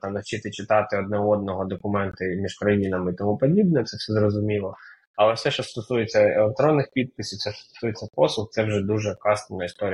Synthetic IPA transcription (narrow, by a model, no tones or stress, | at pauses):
t̪mnɐwt͡ʃɪt̪ɪt͡ʃɪt̪ɑt̪ɪɔd̪nɛɔd̪nɔɦɔd̪ɔkʊmɛnt̪ɐmʲiʒkɾɐjinɐmɪit̪ɔmupɔdʲibnɛt̪sɛfsʲɛzrɔzʊmʲilˠɔ | ɐlˠɛfsɛʃt͡ʃɔst̪ɔsujet͡sʲːɐḛlˠek̚t̪ɾɔnːɪxpʲid̪̚pɪsʲiwtsɛst̪ɔ̥sujet͡sʲːɐpɔslˠʊxt̪sɛwʒɛd̪uʒɛkɑst̪ɪnɐist̪ɔɾʲij